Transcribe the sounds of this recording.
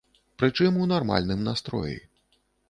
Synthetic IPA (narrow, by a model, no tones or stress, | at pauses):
pɾɨt͡ʂɨmunarma̰lʲnɨmnast̪ɾɔ̰jḭ